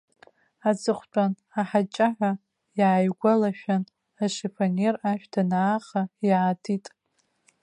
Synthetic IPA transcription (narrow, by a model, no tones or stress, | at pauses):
at͡sʼɨχʷt͡pʷʼan | aħat͡ʃʼaħʷa | jaːjɡʷalaʃᶣan | aʂefʰʼaneraʃᶣtʰanaːχajaːtʰitʼ